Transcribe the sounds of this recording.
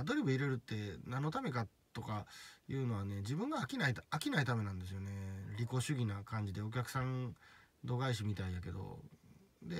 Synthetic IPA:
ad̪o̞ɾʲibɯ̟iɾe̞ɾɯ̟t̪ːe̞nãnːo̞t̪ame̞ka | t̪o̞kajɯ̟ːno̞β̞ane̞d͡ʑibɯ̟̃ŋɡaːkʲinaiakʲinait̪ame̞nãnd̪e̞s̬ɨjo̞ne̞ɾʲiko̞ɕɨɡʲinakãɲ̟d͡ʑid̪e̞o̞kʲakɯ̟̥sãnd̪o̞ɡaiɕ̬imʲit̪aijake̞d̪o̞̰ | d̪e̞

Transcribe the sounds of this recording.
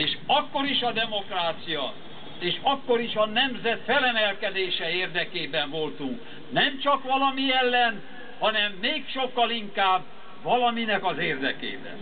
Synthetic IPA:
eːʃɒkːo̞ɾiʃɒd̪ɛmo̞kraːt̪sijɒ | eːʃɒkːo̞ɾiʃɒnɛmzɛt̪fɛlɛmɛlkɛd̪eːʃɛeːrd̪ɛkeːbɛɱvo̞lt̪uŋk | nɛmt͡ʃɒkʋɒlɒmiɛlːɛn | hɒnɛmːeːkʃo̞kːɒliŋkaːb | ʋɒlɒminɛkɒzeːrd̪ɛkḛːbɛ̰n

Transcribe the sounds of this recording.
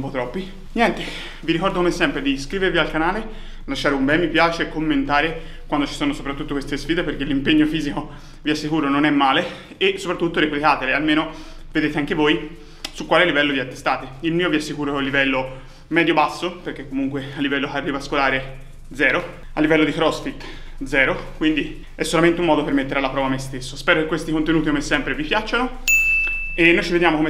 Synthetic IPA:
mpɔt̪ɾɔpːi | njɛnt̪e | viɾikɔrd̪okomesːɛmpɾed̪iskɾiːveɾvialkanaːle | laʃːaːɾeumbɛmːipjaːt͡ʃekːomːent̪aːɾe | kwand̪ot͡ʃi̥soːnosopɾat̪ːut̪ːokwest̪esfiːd̪eperkelːimpeɲːofiːziko | viasːikuːɾononɛmːaːle | esopɾat̪ːut̪ːoɾeplikaːt̪elealmeːno | ved̪eːt̪eaŋkevoj | sukːwaːlelːivɛlːod̪iat̪ːe̥st̪aːt̪eilmiːoviasːikuːɾoɛlːivɛlːo | mɛːd̪jobasːoperk̟ekːomuŋkwealːivɛlːokarːivaskolaːɾe | d̪zɛːɾo | alːivɛlːod̪ikɾɔsfit̪ː | d̪zɛːɾokwind̪i | ɛsːolament̪eumɔːd̪opermet̪ːeɾealːapɾɔːvamːest̪esːospɛːɾokekwest̪ikont̪enuːt̪ikomesːɛmpɾevipjat͡ʃːano | enːojt͡ʃived̪jaːmokome

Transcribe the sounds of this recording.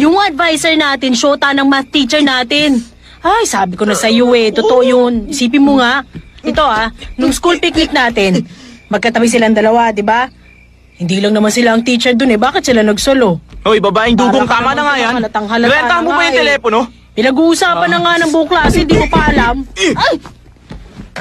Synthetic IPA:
jʊŋʔɐd̪vajsɛɹnaːt̪ɪnʃoːt̪ɐnɐŋmt̪it͡ʃɛɹnaːt̪ɪn | ʔajsaːbɪkonɐsɐjuwɛt̪ot̪oʔojʊnʔɪsiːp̬ɪnmoŋaʔʔɛt̪o̞ʔanʊŋskulpik̚nɪk̚naːt̪ɪnmɐɡ̚kɐt̪ɐbajs̬ɪlaŋd̪ɐlɐwad̪ɪba | hɪnd̪iːlɐŋnɐmansɪlaʔɐŋt̪it͡ʃɛɹd̪onɛbaːkɪt̪̚sɪlanɐɡsolo̞ʔoibabaʔɪŋd̪uːɡoŋt̪aːmanɐŋajaɐlɐt̪ɐŋɦɐlɐbɛnɐhankobɐjʊŋt̪ɛlɛːpono | pɪnɐɡuːʔʊsaːpɐnlɐŋanɐŋbʊʔʊŋklaːsohɪnd̪iːkopɐʔɐlamaj

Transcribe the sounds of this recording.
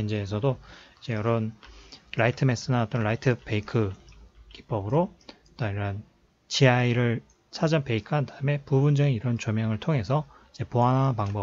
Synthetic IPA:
ind͡ʑeːs̬ʰʌdoid͡ʑe̞jʌɾʌnɾaitʰɯme̞s͈ɯnaʌt͈ʌnɾaitʰɯpe̞ikʰɯki̥p͈ʌbɯɾo | t͈oiɾʌn | t͡ɕiaiɾɯɭ | sʰad͡ʑʌnpe̞ikʰɯandaɯme̞pubund͡ʑʌŋiiɾʌnt͡ɕʌmjaŋɯɭtʰoŋe̞sʰʌ | id͡ʑe̞poɦanɦanpaŋbʌ

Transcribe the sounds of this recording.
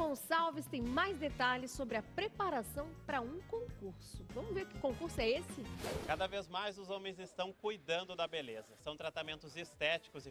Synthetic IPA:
õsawvɪst̪ẽj̃majzd̪et̪aʎɪsːobɾɪɐpɾepaɾasɐ̃w̃pɾɐũkõkuɾsʊvɐ̃mʊzveɾkɪ̥kõkuɾsʊɛesɪkad̪ɐvezmajzʊzõmẽj̃zɪst̪ɐ̃w̃kujd̪ɐ̃nd̪ʊd̪ɐbelezɐsɐ̃w̃t̪ɾat̪amẽnt̪ʊzest̪ɛt͡ʃi̥kʊzɪ

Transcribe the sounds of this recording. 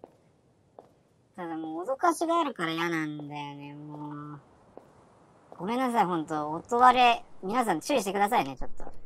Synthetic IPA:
t̪ad̪amoːd̪okaɕiɡaːɾɯ̟kaɾajanãnd̪ajo̞ne̞moː | ɡ̥o̞mẽ̞nːas̬aiɦõ̞nt̪o̞ːt̪o̞βaɾe̞mʲinas̬ãɲt͡ɕɨɾiɕi̥t̪e̞kɯ̟d̪as̬aine̞t͡ɕo̞t̪ːo̞̰

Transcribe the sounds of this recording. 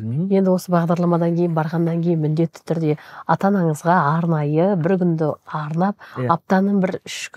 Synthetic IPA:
je̞nd̪ɪwo̞səbɑʁd̪ɑɾlˠɑmɑd̪ɑŋkʲʰejɪnbɑɾʁɑnːɑŋkʲʰe̞jɪnmʏnd̪e̞t̪ːɪ̥t̪ʰʏɾd̪e̞ɑt̪ɑnɑɴəzʁɑɑɾnɑjəbɪɾkʲʰʏnd̪ɪɑɾnɑp̚ɑp̚t̪ɑnəɴbɪɾʏʃkʲ

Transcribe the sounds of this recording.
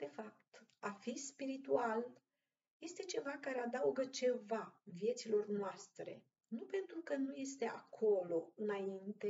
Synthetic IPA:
d̪̥e̞fap̚t̪afispiɾit̪ual | je̞st̪e̞t͡ʃe̞vakaɾead̪auɡət͡ʃe̞vavije̞t̪silo̞rnoast̪ɾe̞̰ | nupe̞nt̪ɾukənuje̞st̪e̞akʰo̞lo̞ɨnaint̪e̞

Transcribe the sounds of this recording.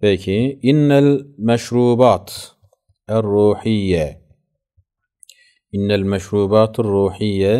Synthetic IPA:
feːkiʔɪnːalmaʃɾuːbaːt̪ | ʔɪrˤːuːħɪjːa | ʔɪnːalmaʃɾuːbaːt̪ɪrˤːuːħɪjːa

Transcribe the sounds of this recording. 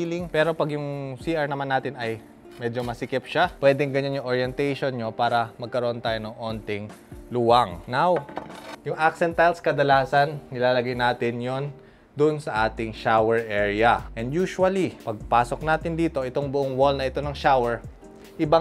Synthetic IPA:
ilɪŋpɛːɾo̞pɐɡjʊŋsiːʔɐɹnɐmanːaːt̪ɪnɐj | mɛd͡ʒo̞mɐsɪkɛp̚ʃapwɛːd̪ɛŋɡɐɲanjʊŋʔoɹjɛnt̪ɛjʃonɲopaːɾɐmɐɡ̚kɐɾoʔont̪aːjonɐŋʔo̞nt̪ɛŋ | luwɐŋnawjʊŋʔak̚sɛnt̪ajlskɐd̪ɐlaːsɐnːɪlaːlɐɡajnaːt̪ɪnjon | d̪ʊnsɐʔaːt̪ɪŋʃawɛɹʔɛːɹɪɐʔɛnd̪juːʃwɐlipɐɡ̚paːso̞k̚naːt̪ɪnd̪iːt̪o̞ʔɪt̪oŋbʊʔoŋwolnɐɪt̪o̞nɐŋʃawɛɹ | ʔɪba

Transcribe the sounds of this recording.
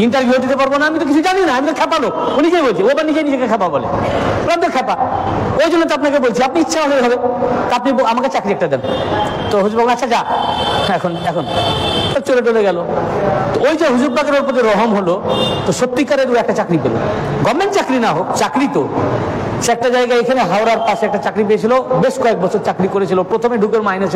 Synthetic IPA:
iɳʈaɾbʱjud̪it̪epaɾbonaamit̪̬ok̬it͡ɕʰud͡ʑaninaamid̪oɾkʰɛpalounikejbolt͡ɕʰiojbaɾnid͡ʑenid͡ʑekekʰɛpabɔlḛolamid̪oɾkʰɛpa | ojd͡ʑonːot̪oapnakebolt͡ɕʰiap̚niitːʃʰaolet̪ɦabet̪apnibamaket͡ɕakɾiɛk̚ʈad̪ɛn | t̪oɦud͡ʑubʱaɡaːad͡ʑa | ɛkʰonɛkʰont̪ʰot͡ɕoleʈ̬oleɡɛlot̪oojd͡ʑoɦud͡ʑub̚baɡeɾoɾpoɾt̪iɾɔɦomɦolot̪oʃot̪ːikaɾeɾuɛk̚ʈat͡ɕakɾipḛlo̰ɡɔmːeɳʈt͡ɕakɾinaɦokt͡ɕakɾit̪o | ʃɛk̚ʈad͡ʑaeɡaekʰaneɦawɾaɾpaʃeɛk̚ʈat͡ɕakɾip̬eet͡ɕʰilobeʃkɔek̚bɔt͡ɕʰoɾt͡ɕakɾikoɾet͡ɕʰilopɾot̪ʰomeɖʱukeɾmainet͡ɕʰ

